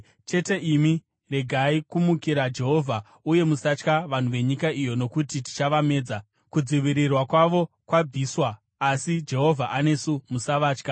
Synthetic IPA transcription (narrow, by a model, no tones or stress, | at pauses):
t͡ʃe̞te̞ʔimi | re̞ɡʱaikumukiɾad͡ʒe̞ɦo̞vʱa | uje̞musat͡ʃkaʋan̤uʋe̞ɲikaijo̞no̞kutiti̥t͡ʃaʋame̞ːd͡za | kud͡ziʋiɾirwakwaʋo̞ | kwab͡viːswaː | sid͡ʒe̞ɦo̞vʱaʔane̞sumusaʋaːt͡ʃka